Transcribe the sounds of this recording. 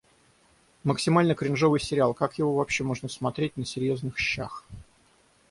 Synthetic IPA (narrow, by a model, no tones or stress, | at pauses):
məksʲɪmalʲnəkɾʲɪnʐo̞vɨjsʲɪɾʲɪalˠkakjɪvo̞vɐpɕːe̞mo̞ʐnəsmɐt̪ɾʲet̚ʲnəsʲɪɾʲjo̞znɨxɕːax